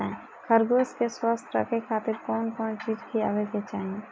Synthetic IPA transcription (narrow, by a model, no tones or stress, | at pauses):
ɛ̃ | kʰəɾɡoːskeswaːst̪ʰɾə̰kekʰaːt̪ɪɾkɔːnkɔːnt͡ʃiːd͡ʒkʰia̰ːʋeket͡ʃaːɦĩ